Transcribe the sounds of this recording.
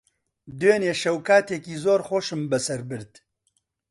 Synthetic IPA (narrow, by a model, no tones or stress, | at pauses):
d̪eːneːʃɐwkʰaːt̪ekiːzoːɾxoːʃɨmbɛsɛɾbɨɾd̪